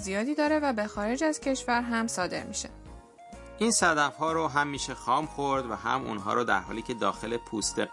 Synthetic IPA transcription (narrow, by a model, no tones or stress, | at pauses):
zijɒːd̪iːd̪ɒːɾe̞væbe̞xɒːɾe̞d͡ʒæz̥cʰe̞ʃvæɾɦæmsɒːd̪e̞̰ɾmiʃḛ | ʔinsæd̪æfhɒːɾoɦæmːiːʃexɒːmxoɾd̪væɦæ̰mṵnɦɒ̰ːɾɔːd̪æ̰ɾɦɒ̰ːliːcʰe̞d̪ɒːxe̞le̞pʰuːst̪ʰḛ